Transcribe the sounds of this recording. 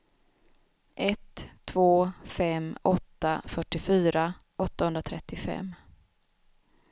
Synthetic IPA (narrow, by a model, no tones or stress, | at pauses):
ʔɛt̪ʰːvoːfɛmɔt̪ːa̰fœʈːɪfyːɾa | ʔɔt̪ːahɵnd̪ɾat̪ʰɾɛt̪ːɪfɛ̰mː